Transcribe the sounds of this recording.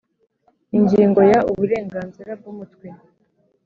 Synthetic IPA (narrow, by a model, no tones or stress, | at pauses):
iɲɟiːŋɡo̞jauβuɾe̞ːŋɡaːnziɾab̚ɡumutkwe